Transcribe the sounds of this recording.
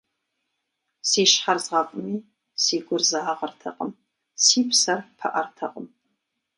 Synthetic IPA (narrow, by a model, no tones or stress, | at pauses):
siːʃħarzʁɐkʷʼʊmiː | siːɡʷʊrzaːʁɐrtʰɐ̰qʼəm | siːpʰsɐrpʰɐ̰ʔɐrtʰɐqʼəm